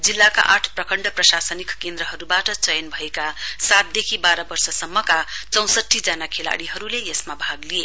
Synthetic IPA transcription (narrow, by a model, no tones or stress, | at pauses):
d͡zilːaka̰ʔaʈʰprʌkʌɳɖʌprʌsasʌnikkend̪ɾʌɦʌɾubaʈʌt͡sʌjʌnbʱʌekasat̪̚d̪ekʰibaɾʌbʌrsʌsʌmːʌkat͡sʌ̃w̃sʌʈʰːid͡zanakʰela̰ɽiɦʌɾulejesmabʱaɡlije